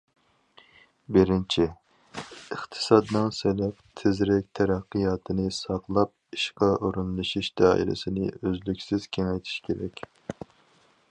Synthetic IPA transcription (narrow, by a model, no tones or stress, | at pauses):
bɪɾɪnt͡ʃʰɪ | əχt̪ʰɨ̥sɑd̪nɨŋselɛp̚t̪ʰɪzɾɛk̚ʲt̪ʰɛɾæqːɨjɑːt̪ʰɨnɨsɑqlˠɑp̚iʃqɑʔoɾunlˠɨʃiʃd̪̥ɑːḭlɪ̰sɪnɪ̰øzlykʲsɪz̥kʲʰeŋɛjt̪ʰi̥ʃkʲeɾɛ̰kʲ